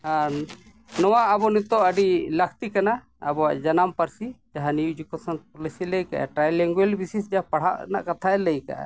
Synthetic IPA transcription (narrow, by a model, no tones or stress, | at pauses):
ɦã | nɔwaʔəbɔnit̪ɔʔəɖiləkʰt̪ikanaː | bɔwaʔd͡ʒanampəɾsid͡ʒaɦanijud͡ʒukɔsanpɔlisiləjka̰ʔɛ̰ʈɾajlɛŋɡwelbisisd͡ʒaapaɽ̤aʔna̰ʔkat̪ʰaɛləjka̰ʔɛ̰